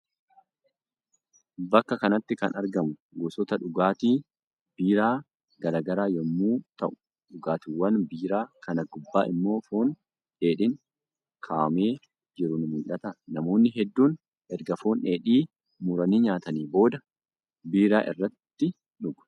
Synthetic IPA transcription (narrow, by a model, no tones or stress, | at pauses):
bɐkːɐkɐnɐt̪ːɪkɐnʔɐɾɡɐmʊɡʊsɔt̪ɐᶑʊɡaːt̪iː | biːɾaː | ɡɐɾaːɡɐɾaːjɔmːuːt̪ɐ̰ʔʊ̥ | ᶑʊɡaːt̪ʊwːɐnbiːɾaːkʰɐnɐɡʊbːaːʔɪmːo̞ːfoːn | ᶑeːᶑɪŋ | kʰaːme̞ː | d͡ʒɪɾʊnmʊlʔɐt̪ɐnɐmo̞ːnːɪɦɛd̪ːuːn | ʔɛɾɡɐfoːneːᶑiː | muːɾɐniːɲaːt̪ɐniːbo̞ːd̪ɐ | biːɾaːʔɪ̰rːɐt̪ːɪ | ᶑʊɡ̥